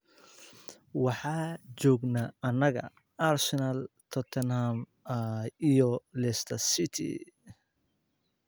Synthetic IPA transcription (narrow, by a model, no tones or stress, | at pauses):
wɑħɑːt͡ʃɔːɡnaɐnɐɣɐ̰ | aɾsɛnɐlt̪ʰɔt̪ʰɛnham | ijɔlɛst̪ʰɐsit̪ʰḭ